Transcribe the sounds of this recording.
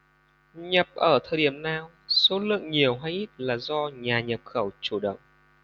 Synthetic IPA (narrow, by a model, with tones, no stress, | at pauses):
ɲə˨˩p̚ʔəː˧˩t̪ʰəː˨˩jɗi˧˩əmnaː˧w | so˨˦lɨ̰˧˨əŋɲi˨˩əwɦa˧jʔi˦˥t̚laː˨˩zɔ˧ɲaː˨˩ɲə˨˩p̚xə˧˩wt͡ɕu˧˩ɗə̰˧˨wŋ͡m